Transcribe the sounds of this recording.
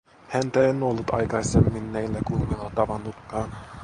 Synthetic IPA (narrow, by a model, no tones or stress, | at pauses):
hænt̪æenːolːut̪ɑ̰jkɑisemːinːæjlːækunːilɑt̪ɑʋɑnːuk̪ːɑːn